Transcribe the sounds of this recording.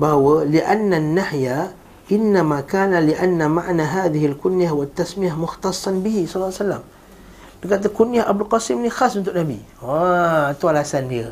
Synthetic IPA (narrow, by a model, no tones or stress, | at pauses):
bawalɪʔanːanːaħja | ʔɪnːamakaːnalɪʔanːamaʕnaɦaːðɪhɪlkʊnjahʊwat̪ːasmɪjamʊxt̪ɑsˤːɑnbɪhisˤɑlːsalːa̰m | nɪɡat̪akʊnjaʔabʊlqɑsimnixɑːsˤmɪnt̪uʔnabi | want̪walasanhi